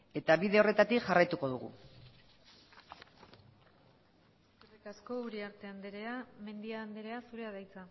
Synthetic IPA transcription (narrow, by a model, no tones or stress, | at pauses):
e̞t̪aβiðe̞o̞re̞t̪at̪ikʝarajt̪uko̞ðuɣṵ | surekasko̞uɾiaɾt̪e̞and̪eɾeame̞nd̪iaːnd̪eɾe̞asuɾe̞aðajt͡sa